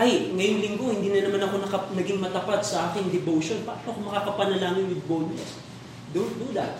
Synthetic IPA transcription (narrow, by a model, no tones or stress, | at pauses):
ʔɐjŋɐjoŋlɪŋɡo̞hɪnd̪iːnɐnɐmanɐko̞nɐkɐnɐɡiŋmɐt̪ɐpad̪sɐʔaːkɪŋd̪ɛbowʃo̞npapɐkomɐkakɐpɐnɐlaːmɪnwɪd̪̚bold̪nɛ̰s | d̪ʊd̪ud̪a̰t̪